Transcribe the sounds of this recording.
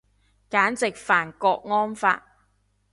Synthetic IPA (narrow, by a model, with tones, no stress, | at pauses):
kaː˨˥nt͡sɪ˨k̚faː˨˩nkɔː˧k̚ŋɔː˥nfa̰ː˧t̚